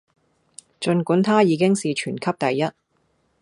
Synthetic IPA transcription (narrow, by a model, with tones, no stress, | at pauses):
t͡ʃɵ˧nkuː˨˥nt̪ʰaː˥jiː˨˧kɪ˥ŋsiː˨t͡ʃʰyː˨˩nkʰɐ˥p̚t̪ɐ˨jːɐ˥t̚